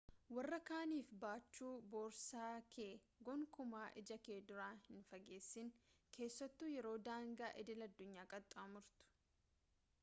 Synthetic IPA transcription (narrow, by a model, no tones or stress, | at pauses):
wɐrːɐkaːniːfbaːt͡ʃːuːbo̞ːɾsaːkʰeː | ɡɔŋkʊmaːʔɪd͡ʒɐkeːd̪ʊɾaːhɪnfɐɡe̞ːsːɪŋkʰe̞ːsːɐt̪ːʊjɛɾo̞ːd̪aːŋɡaːʔɛd̪ɪlɐd̪ːʊɲːaːkʼɐt̪ʼːamʊɾt̪ʊ̥